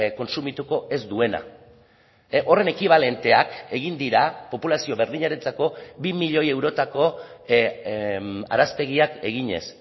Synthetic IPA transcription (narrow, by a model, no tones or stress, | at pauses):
ko̞nsumit̪uko̞ʔe̞zd̪ue̞na̰ | ʔo̞re̞ne̞kiβ̞ale̞nt̪e̞ake̞ɣind̪iɾapo̞pulasio̞βe̞ɾðiɲaɾe̞nt͡sako̞bimiʎo̞je̞wɾo̞t̪ako̞ | a̰ɾaspe̞ɣ̞iake̞̰ɣiɲe̞̰s